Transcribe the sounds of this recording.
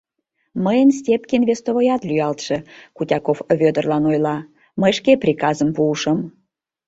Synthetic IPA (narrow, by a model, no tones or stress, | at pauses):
məjənsʲtʲepkinvʲest̪ovojɑt̪lʲyjɑlt̪ʃə̆kutʲɑkofvʲød̪ə̆rlɑnojlɑ | məjʃkeprʲikɑzəmpuːʃəm